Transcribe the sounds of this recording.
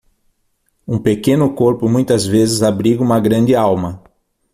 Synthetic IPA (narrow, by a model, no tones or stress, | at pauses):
ũpekẽnʊkoɾpʊmũj̃t̪ɐzvezɪzabɾiɡũmɐɡɾɐ̃nd͡ʒɪawmɐ